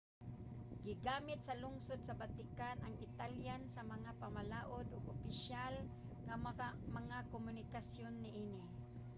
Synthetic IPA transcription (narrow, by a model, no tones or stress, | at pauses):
ɡɪɡaːmɪt̪salʊŋsʊd̪̚sabat̪ɪkanʔaŋɪt̪aljansamaŋapamalaːʔʊd̪ʊɡʊpɪʃjal | ŋamaŋakomʊnɪkasjonːɪʔiːnɪ